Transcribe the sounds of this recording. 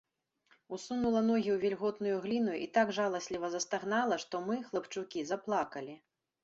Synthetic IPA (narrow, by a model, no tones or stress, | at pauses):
usunulˠɐnɔɣʲiwvʲɛlʲɣɔt̪nujuɣlʲinujʔḭt̪aɡʐalˠɐsʲlʲivɐzɐst̪aɣnalˠɐʂt̪ɔmɨxlˠɐpt͡ʂukʲizɐplˠakɐlʲi